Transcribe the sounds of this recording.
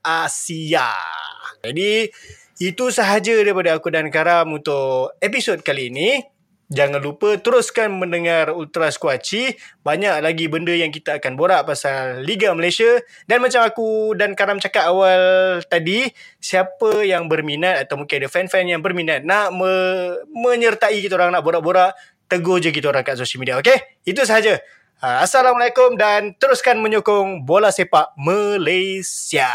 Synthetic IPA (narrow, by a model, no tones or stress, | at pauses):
ʔasia̰d͡ʒadi | it̪usəɦad͡ʒədaɾipadaːkudankaɾamunt̪ʊʔepisod̚kaliːni | d͡ʒaŋanlupət̪əɾʊskanmə̃ndəŋarult̪ɾaskuat͡ʃibaɲaʔ̚laɡibəndəjaŋk̬it̪aːkanboɾaʔpasalːiɡaməlajsia | danmat͡ʃamakudankaɾamt͡ʃakat̪awalt̪adi | siapəjaŋbərminat̪̚at̪awmukadəfɛnfɛnjaŋbərminat̪̚naʔməmə̃ɲərt̪aikit̪aoɾaŋnaʔboɾaʔboɾaʔ | t̪əɡod͡ʒək̬it̪aoɾaŋkaʔsosəlmidiaoke | it̪̬us̬əɦad͡ʒa | əasalaməlakomdant̪əɾuskanmə̃ɲokɔŋbolaʔsepaʔməlajsia